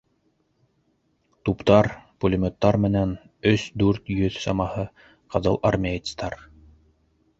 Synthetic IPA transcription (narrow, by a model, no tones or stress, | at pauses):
t̪upt̪ɑɾpulʲɪmʲot̪ːɑɾmɘ̆næn | ɵsd̪ʉɾt̪jɵðsɑmɑhɤ | qɤ̆ðɤ̰lˠʔɐrmʲeit̪st̪ɑɾ